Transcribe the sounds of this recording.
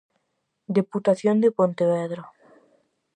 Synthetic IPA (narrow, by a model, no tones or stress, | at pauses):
d̪eput̪aθjond̪epont̪eβeðɾo